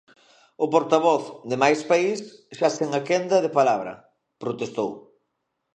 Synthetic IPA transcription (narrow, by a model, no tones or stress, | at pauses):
ʊpoɾt̪aβ̞ɔθd̪ɪmajspaisʃaseŋakend̪ɐðepalaβ̞ɾɐ̰ | pɾot̪est̪ow